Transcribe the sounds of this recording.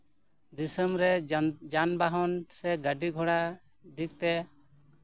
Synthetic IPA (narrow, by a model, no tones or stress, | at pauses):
d̪isəmɾɛd͡ʒanbaɦɔnsɛɡəɖiɡʱɔɽa | d̪ik̚t̪ɛ